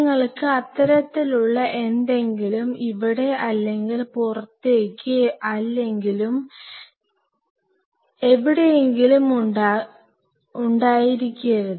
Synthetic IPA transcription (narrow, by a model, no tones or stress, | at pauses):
ŋːɐɭkɨɐt̪ːɐɾɐt̪ːiluɭːɐʔe̞nd̪e̞ŋɡilumiʋiɽe̞ʔɐlːe̞ŋɡilpurɐt̪ːeːkʲːɨɐlːe̞ŋɡilum | e̞ʋiɽe̞jeŋɡilum | uɳɖaːjiɾikʲːujɐɾuðɨ